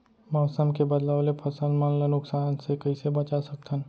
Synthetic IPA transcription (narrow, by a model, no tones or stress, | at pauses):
mɔːsəmkebəd̪laːʋlepʰɐsəlmənlənʊksaːnsekəisebɐt͡ʃasək̚t̪ʰən